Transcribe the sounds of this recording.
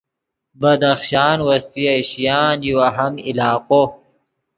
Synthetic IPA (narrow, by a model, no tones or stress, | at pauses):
bɐd̪ɐxʃaːnwɐst̪iɐɕjaːnjuwɐɦɐmilaːqo